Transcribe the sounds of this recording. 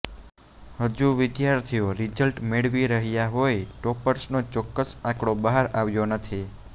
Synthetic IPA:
həd͡ʒuʋɪd̪jaɾt̪ʰioɾid͡ʒəlʈmeɽʋiɾəɦjaɦojʈɔpəɾsnot͡ʃɔkːəsãkɽ̃obəɦaɾaʋjonət̪ʰi

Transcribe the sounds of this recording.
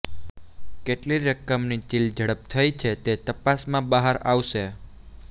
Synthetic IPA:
keʈliɾəkəmnit͡ʃild͡ʒʱəɽəp̚t̪ʰəjt͡ʃʰet̪et̪əpasmãbəɦəɾaʋʃe

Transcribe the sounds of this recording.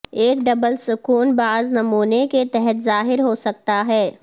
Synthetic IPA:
eːkɖɐbəlsʊkuːnbaːznɐmuːneket̪ɛɦɛt̪zaːɦɪɾɦosɐk̚t̪aɦɛː

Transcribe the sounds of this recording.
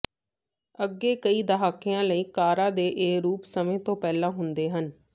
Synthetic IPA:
əɡːeːkəiːd̪əɦaːkɪjãːləiːkaːɾãːd̪eːʔeːɾuːpsəmẽːt̪õːpɛːlãːɦʊnd̪eːɦən

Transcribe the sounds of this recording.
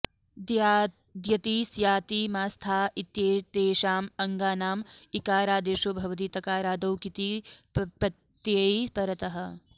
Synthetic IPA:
ja | d̪jɐt̪iːsjaːt̪iːmaːst̪ʰaːit̪jeːt̪eːʃaːmɐŋɡaːnaːmikaːɾaːd̪eːʃoːbʱɐʋɐt̪iːt̪ɐkaːɾaːd̪ɐwkit̪ipɐtt̪jeipɐɾɐt̪ɐɦɐ̆

